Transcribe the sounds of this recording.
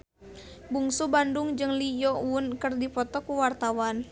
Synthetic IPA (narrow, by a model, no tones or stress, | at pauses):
buŋsubanduŋd͡ʒɨŋlijɔuwʊnkɨrdipɔt̪ɔkuwart̪awan